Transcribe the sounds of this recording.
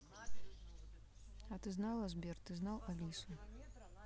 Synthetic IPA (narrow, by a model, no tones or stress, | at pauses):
ɐt̪ɨznalˠɐzbʲɛrt̪ɨznawalʲisu